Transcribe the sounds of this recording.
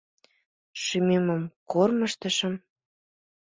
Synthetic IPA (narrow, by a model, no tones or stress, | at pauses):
ʃymeməmkorməʃt̪ə̆ʃəm